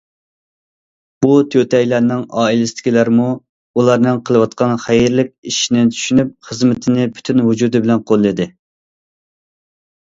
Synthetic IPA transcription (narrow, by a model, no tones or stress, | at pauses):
b̥ut̪ʰøt̪ʰɛjlæɾnɪŋɑːilɪsɪt̪ɪ̥kʲʰilæɾmu | ulˠɑɾnɨŋqʰəlˠɨwɑt̪̚qʰɑnχæjiɾlɪkʲiʃinɪt͡ʃ̪ʰy̥ʃynyp̚χəzmɪt̪ʰɪnɪpʰy̥t̪ʰynɦud͡ʒud̪ɨbɪlɛnqʰolˠːɨd̪ɪ